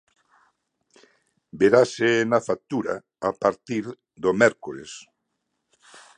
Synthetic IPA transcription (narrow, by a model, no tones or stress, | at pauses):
beɾasenafak̚t̪uɾa̰ | apaɾt̪iɾ | d̪omɛɾkoɾes